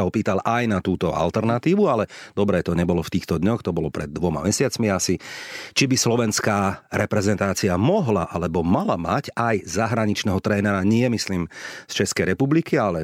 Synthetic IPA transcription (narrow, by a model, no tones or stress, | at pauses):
aɔpiːt̪alʔajnat̪uːt̪ɔa̰lt̪ɛɾnat̪iːʋualɛd̪̥ɔbɾɛt̪ɔɲɛbɔlɔft̪iːxt̪ɔd̪ɲɔxt̪ɔbɔlɔpɾɛ̰d̪̚ːʋɔma̰mɛsɪat͡smiasit͡ʃibislɔʋɛnskaːɾʔɛpɾɛzɛnt̪aːt͡siamɔɦlaʔalɛbɔmalamacajzaɦɾaɲit͡ʃnɛɦɔt̪ɾɛːnɛɾaɲɪɛmisliːmst͡ʃɛskɛjɾɛpublikialɛ